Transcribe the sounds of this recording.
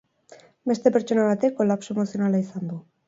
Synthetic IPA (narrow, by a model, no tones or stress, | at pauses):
be̞st̪e̞pe̞ɾt͡ʃo̞naβ̞at̪e̞kːo̞lapsoemo̞sio̞nalaisand̪u